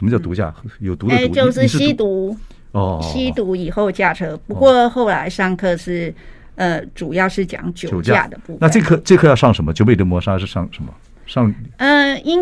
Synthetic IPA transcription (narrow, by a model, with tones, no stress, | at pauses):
ʂə˧˥mə˧t͡ɕjɑ˥˩t̪u˧˥t͡ɕja̰˥˩jo˨˩ʊt̪u˧˥də˧˥˧t͡ɕjo˥˧ʊʂ̬ɻ̩˥˧ɕi˥t̪u˧˥ | ɔ˥˧ɕi˥t̪u˧˥i˨˩xo˥˧ʊt͡ɕja˥˩ʈ͡ʂʰɤ˥pu˧˥kwɔ˥˧xo˥˩ʊla˧˥ɪʂɑ˥ŋkʰɤ˥˧ʂɻ̩˥˩ | ə˧ʈ͡ʂu˨˩jɑ˥˧ʊʂɻ̩˥˩t͡ɕjɑ̰˨˩˦ŋt͡ɕjo˨˥˨ʊt͡ɕja̰˥˧d̪ə˩pu˥˧na˥˧˥ʈ͡ʂe˥˧kʰɤ˥˧ʈ͡ʂɤ˥˧kʰɤ˥˧jɑ˥˧ʂɑ˥˩ŋʂə˧˥nmə˦t͡ɕjo˥˧p̬e˥˩ʈ͡ʂə˥nmwɔ˧˥ʂa˥ʂɻ̩˥˩ʂɑ˥˩ŋʂə˧˥nmə̰˧ | ʂɑ˥˩ŋə˧i˥